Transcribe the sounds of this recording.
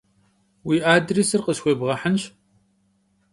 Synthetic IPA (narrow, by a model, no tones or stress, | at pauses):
wiːʔaːdriːsɨrqʼəɕxʷebʁɐħənɕ